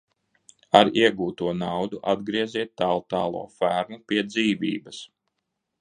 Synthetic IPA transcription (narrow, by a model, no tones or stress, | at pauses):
aɾiɛɡuːt̪uɔnawd̪uʔad̪ɡɾiɛziɛt̪ːalˠt̪ɑːlˠṵɔfæɾmupʲiɛd̪ziːvʲḭːbɐs